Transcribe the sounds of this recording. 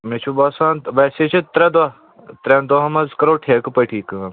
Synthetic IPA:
met͡ʃʰubaːsaːnʋɐset͡ʃʰit̪ɾɛd̪a | t̪ɾɛ̃nd̪oɦɐmɐzkɐɾoːʈʰeːkpɐʈʰiːk

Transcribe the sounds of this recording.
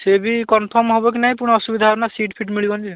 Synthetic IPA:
sebikɔnpʰɔmɦɔbɔk̬inaɦĩpunɔɔsubid̪ʱabnasiʈpʰiʈmiɭibɔnii

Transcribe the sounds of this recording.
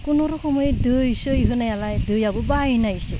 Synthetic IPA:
kunɔɾɔxɔmɔjedɯjsɯjɦɯnajalajdɯjabɯbajnajsɯ

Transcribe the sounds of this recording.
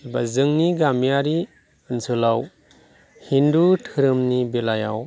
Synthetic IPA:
bazɯŋniɡamijaɾi | ɯnsʰɯlaw | hindutʰɯɾɯmnibelajaw

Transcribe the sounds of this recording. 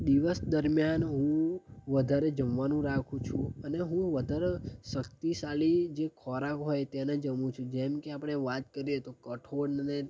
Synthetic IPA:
d̪iʋəsd̪əɾmjanɦũʋəd̪ʱaɾed͡ʒəmʋanũɾakʰũt͡ʃʰũəneɦũʋəd̪ʱaɾeʃəkt̪isalid͡ʒekʰɔɾakɦɔjt̪ɛned͡ʒəmũt͡ʃʰũd͡ʒɛmkeapɽ̃eʋat̪̚kəɾiet̪okəʈʰoɽnne

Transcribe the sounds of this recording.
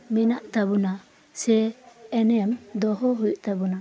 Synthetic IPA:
mɛnaʔt̪abuna | sɛːnɛmd̪ɔɦɔɦujʔt̪abuna

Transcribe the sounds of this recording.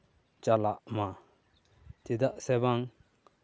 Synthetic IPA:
t͡ɕalaʔma | t̪et̪aʔsɛːpaŋ

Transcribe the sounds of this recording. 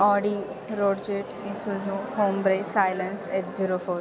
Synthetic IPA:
ɔɖi | ɾoːɽd͡ʒeʈ | isuzuhoːmbɾesajlənseʈziɾofoːɾ

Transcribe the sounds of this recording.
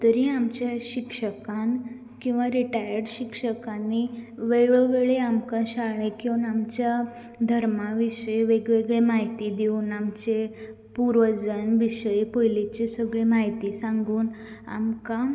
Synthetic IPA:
t̪əɾiamt͡ɕjaɕikʂəkãn | kĩw̃ʋaɾiʈajəɾɖɕikʂəkãnːiʋeɡɭoʋeɭeamkãɕaɭẽkiʋənamt͡ɕja | d̪ʱəɾmaʋiɕəjʋeɡʋeɡɭemaɦit̪id̪iuːnamt͡ɕe | puɾʋəd͡zənʋiɕəjpojlit͡ɕesəɡɭemaɦjt̪isãŋɡuːn | a̰mkã

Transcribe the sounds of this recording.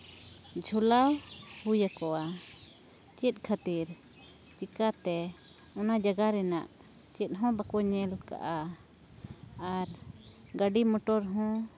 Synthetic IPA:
d͡ʒʱɔlawhujakɔwa | t͡ʃɛt̪̚ˀkʰat̪iɾ | t͡ʃikat̪ɛ | ɔnad͡ʒaɡaɾɛna̰ʔ | t͡ʃɛt̪̚ˀɦɔ̃bakɔɲɛlka̰ʔa | ɾɡaɖimɔʈɔɾɦɔ̃

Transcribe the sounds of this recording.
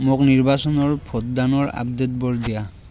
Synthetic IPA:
mokniɹbasɔnɔɹpʰɔtd̪anɔɹa̰b̚d̪et̪̚bɔɹdija

